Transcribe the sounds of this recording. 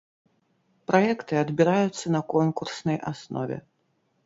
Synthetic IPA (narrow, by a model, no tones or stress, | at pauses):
pɾajɛkt̪ɨɐd̪bʲiɾajut̪sːɐnɐkɔnkursnɐjʔasnɔ̰vʲɛ̰